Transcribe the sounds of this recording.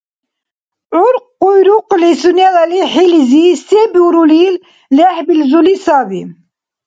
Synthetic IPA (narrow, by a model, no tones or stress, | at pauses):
ʕʊɾqːujɾuqlisunæðæliħilzist̪ibuɾulil | laħbilzulisɑði